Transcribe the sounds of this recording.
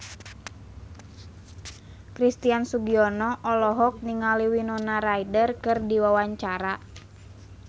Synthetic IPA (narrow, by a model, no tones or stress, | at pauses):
kɾist̪iansuɡiɔnɔʔɔlɔɦɔk̚niŋaliwinɔnaɾaidərkɨrdiwawaɲt͡ʃaɾa